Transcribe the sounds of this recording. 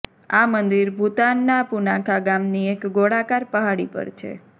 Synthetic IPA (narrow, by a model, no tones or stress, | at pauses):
amənd̪iɾbʱut̪anːapunãkʰaɡamniekɡoɽakaɾpəɦaɽḭpə̰ɾt͡ʃʰḛ